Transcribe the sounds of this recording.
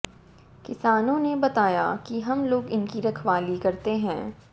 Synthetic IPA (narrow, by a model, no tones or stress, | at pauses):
kɪsaːnõnebɐt̪aːja̰kiɦɐmloːɡɪnkiɾɐkʰʋaːlikɐɾt̪eɦɛ̃ː